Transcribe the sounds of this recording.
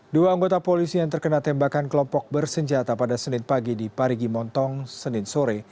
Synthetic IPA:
duaaŋɡot̪apolisijaŋt̪ərkənalt̪ɛmbakankəlɔmpɔk̚bərsəɲd͡ʒat̪apadasənɪnpaɡidipaɾiɡimɔnt̪ɔŋsənɪnsoɾɛ

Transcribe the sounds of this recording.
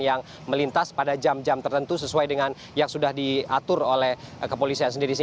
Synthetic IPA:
jaŋ | məlint̪aspadad͡ʒamd͡ʒamt̪ərt̪ənt̪usəsuajdəŋan | jaŋsudahdiat̪ʊrolɛhkəpolisiansəndiɾisi

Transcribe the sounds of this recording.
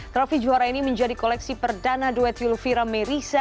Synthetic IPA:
t̪ɾɔfid͡ʒuaɾainiməɲd͡ʒadikolɛksipərdanaduɛt̪ilfiɾameɾisa

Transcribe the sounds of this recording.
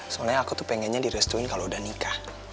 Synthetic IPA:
sɔlaɲaakut̪upɛŋɛnɲadiɾɛst̪uinkaloudahnika

